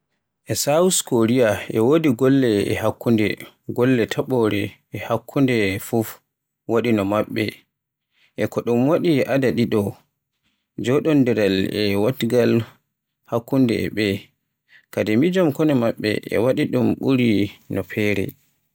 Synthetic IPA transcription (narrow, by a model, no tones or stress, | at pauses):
ʔɛsawuskoɾijaɛwodiɡɔlːɛɛ̰hakːundɛ̰ | ɡɔlːɛtʰaɓɔɾɛː | hakʰːundɛfuf | waɗinɔmaɓːɛ | ʔɛkɔɗumwaɗiʔadaɗiɗɔ | d͡ʒɔɗɔndɛɾalɛwatɡal | hakːundɛ̰ɛ̰ɓɛ | kadɛmid͡ʒɔmkɔnɛmaɓːɛ̰ʔɛ̰waɗiɗumɓuɾinɔpʰɛːɾɛ̰